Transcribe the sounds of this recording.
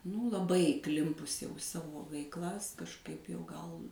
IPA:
nuː lˠɐˈbɐɪ iːˈklʲɪmpʊs jɛʊ ɪ ˈsɑːʋoː ʋʲɛɪkˈlˠɐs kɐʃˈkɐɪp jɛʊ ˈɡɐlˠ

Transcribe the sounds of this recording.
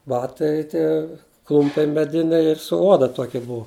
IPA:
ˈbɑːtɐɪ ˈtʲiɛ ˈklˠʊmʲpʲɛɪ mʲɛˈdʲɪnʲɛɪ ɪr sʊ ˈoːdɐ ˈtoːkʲɪ ˈbʊɐ

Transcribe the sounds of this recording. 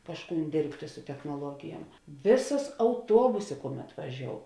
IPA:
ˈkɑːʃˌkuːn ˈdʲeːrʲpʲtʲeː sʊ tʲɛxnoːˈlˠuɔɡʲɪjuɔm ˈʋʲeːˌsɐs ɐʊˈtuɔbʊsʲeː ˈkʊˌmʲɛt ʋɐˈʒʲoːʊ

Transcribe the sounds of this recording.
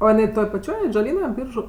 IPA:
ˈoː jɪˈnɐɪ ˈtoːj pɐˈt͡ʃʲoːj ɐdʒɐˈlʲiːnɐ ˈbʲiːrʒʊ

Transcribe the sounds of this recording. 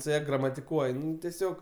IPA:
sʊ ˈjɛ ɡrɐmɐtʲɪˈkuɔj ˈnʊ tʲɛˈsʲoːk

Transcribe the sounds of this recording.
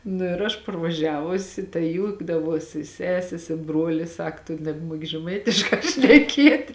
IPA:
nʊ ɪr ˈɐʃ pɐrʋɐˈʒʲæːʋʊsʲɪ tɐɪ ˈjuːɡdɐʋoːsʲɪ ˈsʲæːsʲeːs ɪ ˈbruɔlʲɪs ˈsɐk tʊ nʲɛbˈmuɔkʲɪ ʒʲɛˈmɐɪtʲɪʃkɑː ʃʲnʲɛˈkʲiɛtʲ

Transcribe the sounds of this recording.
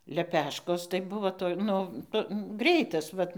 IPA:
lʲɛˈpʲæːʃkoːs tɐɪ ˈbʊʋoː toːj ˈnʊ nʊ ˈɡrʲɛɪtɐs ˈʋɐt

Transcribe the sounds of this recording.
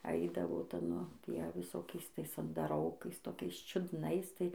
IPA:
ˈɐɪdɐʋoː ˈtɐ ˈnʊ ˈtʲiɛ ʋʲɪˈsoːkʲɛɪs ˈtɐɪs ɐndɐˈroːkɐɪs toːˈkʲɛɪs t͡ʃʲʊdˈnɐɪs ˈtɐɪ

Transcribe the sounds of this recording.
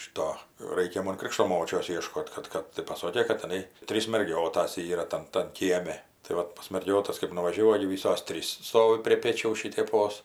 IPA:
ˈʃʲɪtoː ˈrɐɪkʲɛ ˈmoːn ˈkrʲɪkʃtoː ˈmoːt͡ʃʲoːs ˈiɛʃkoːt kɐt ˈkɐt tɐɪ pɐˈsoːkʲeː kɐɪ tʲɪˈnɐɪ ˈtʲrʲiːs mʲɛrʲˈɡʲoːtɐs ˈiːrɐ ˈtɐn tɐn ˈkʲiɛmʲɛ tɐɪ ˈʋɐt pɐs mɐrʲˈɡʲoːtɐs kɜp nʊʋɐʒʲɛˈʋɐʊ ˈoːɡʲɪ ˈʋʲiːsoːs ˈtʲrʲiːs ˈstoːʋʲɪ pʲrʲiɛ ˈpʲeːt͡ʃʲɛʊs ʃʲɪtʲɛˈpoːs

